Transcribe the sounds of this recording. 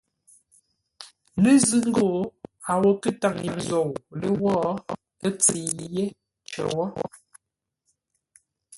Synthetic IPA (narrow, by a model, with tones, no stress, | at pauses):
lə˦zɨ˦ŋ˦ɡo˦˨a˨wɔ˦kə˦ta˦˨ŋje˨n˨zɔ˨wlə˦wɔː˦ | ə˦t͡si˨je˦ | t͡ʃə̰˨wɔ˦